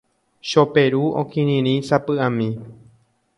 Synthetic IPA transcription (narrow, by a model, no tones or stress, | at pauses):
ʃope̞ɾuõkĩɾĩɾĩsapɨãmĩ